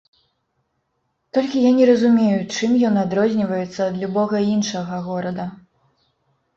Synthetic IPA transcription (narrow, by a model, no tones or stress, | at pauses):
t̪ɔlʲkʲijanʲɛɾɐzumʲejut͡ʂɨmjɔnad̪ɾɔzʲnʲivɐjɛt̪sːɐːd̪lʲubɔɣɐinʂɐɣɐɣɔɾɐd̪ɐ